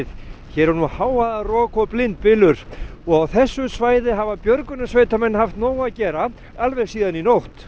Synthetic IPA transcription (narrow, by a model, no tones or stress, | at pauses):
ðçɛːɾɛɾnuhaːwaðarɔːkɔplɪnt̪̚pɪlʏɾ̥ɔɣawθɛsːʏsvaːjðɪɦavapjœɾkʏnasveːjt̪amɛnːhaft̪nɔːwacɛːɾa | alvɛɣsiːðaninowht̪